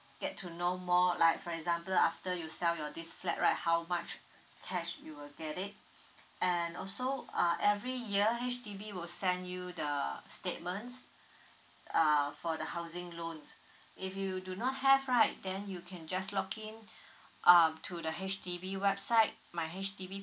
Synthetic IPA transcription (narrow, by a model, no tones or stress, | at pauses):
ɡ̥ɛtʰːunomɔlaɪkfɔɹɛɡzãmpəlaftəjusɛljɔdisflɛ̰ʔ̚ɹaɪt̚hawmat͡ʃ | kʰɛʃjuwɪlɡɛɾɪt̚ | ʔɛ̃nɔlsoʌʔɛvɹijiəɦet͡ʃtibiwɪlsɛ̃ndjudəstet̚mə̃nts | ʌfɔdəhaʊzɪ̃ŋlõns | ifjudunɔt̚hɛvɹaɪt̚dɛ̃njukʰɛ̃nd͡ʒaslɔkʰĩnʔʌtʰudəɦet͡ʃtʰibiwɛb̥saɪt̚maɪɦɛt͡ʃtibi